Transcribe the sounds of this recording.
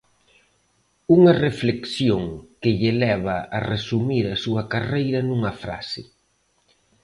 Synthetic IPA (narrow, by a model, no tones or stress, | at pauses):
uŋɐrefleksjoŋkɪʎɪlɛβɐːresumiɾɐsuɐkarejɾɐnuŋɐfɾa̰sɪ